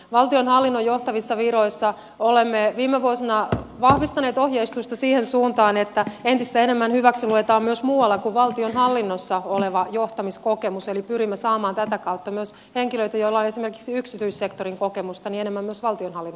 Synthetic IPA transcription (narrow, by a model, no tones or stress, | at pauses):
ʋɑlt̪ionhɑlːinːojoht̪ɑʋisːɑʋiɾoisːɑ | olemːeʋiːmːeʋuosinɑʋɑhʋist̪ɑneːt̪ohjeist̪ust̪ɑsiːhensuːnt̪ɑːnet̪ːæent̪ist̪æenemːænhyʋæksiluet̪ɑːmmyøsmuːwɑlːɑkuʋʋɑlt̪ionɦɑlːinːosːɑoleʋɑjoht̪ɑmiskokemuselipyɾimːesɑːmɑːnt̪æt̪ækɑut̪ːɑmyøs | heŋkiløit̪æjoilːɑonesime̞rki̥ksiyksit̪yissekt̪oriŋkokemust̪ɑnienemːæmːyøsʋɑlt̪ionhɑlːinː